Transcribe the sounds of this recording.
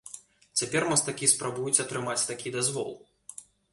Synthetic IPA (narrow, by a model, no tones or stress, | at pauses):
t͡sʲapʲɛrmɐst̪akʲispɾabujut͡sʲɐt̪ɾɨmat͡sʲt̪akʲid̪azvɔ̰lˠ